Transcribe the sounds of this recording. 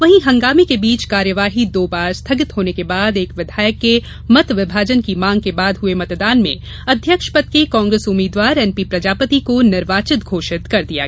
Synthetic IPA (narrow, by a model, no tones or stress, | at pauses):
ʋɐɦĩɦɐ̃ŋɡaːmekebiːt͡ʃkaːɾjəʋaːɦid̪oːbaːɾst̪ʰɐɡɪt̪ɦoːnekebaːd̪eːkʋɪd̪ʱaːjəkːe | mɐt̪ʋɪbʱaːd͡ʒənkimãːŋɡ̚kebaːd̪ɦʊemɐt̪d̪aːnmḛ̃ | ɐd̪ʱjəkʃpɐt̪̚kekɔ̃ːŋɡɾeːsʊmiːd̪waːɾɛːnpipɾɐd͡ʒaːpət̪ikonɪɾʋaːt͡ʃɪt̪ɡʱoːʃɪt̪kɐɾd̪ija̰ɡ